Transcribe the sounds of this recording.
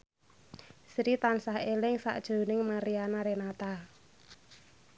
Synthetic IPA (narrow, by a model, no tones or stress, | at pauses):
sɾit̪ansahelɪŋsa̰ʔd̥ʒ̥o̤nɪŋmaɾianaɾenat̪a